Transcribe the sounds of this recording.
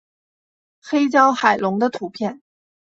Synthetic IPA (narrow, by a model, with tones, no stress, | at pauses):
xe˥ɪt͡ɕjɑ˥ʊxa˨˩ɪlʊ˧˥ŋd̪ə˧t̪ʰu˧˥pʰjɛ˥˩n